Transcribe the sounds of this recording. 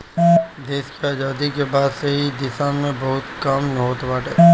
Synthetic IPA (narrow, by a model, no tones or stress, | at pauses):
d̪eːskeaːzaːd̪ikebaːd̪seɦid̪ɪsaːnmẽbɐɦʊt̪kɐmnɐɦoːt̪baːʈɦɛː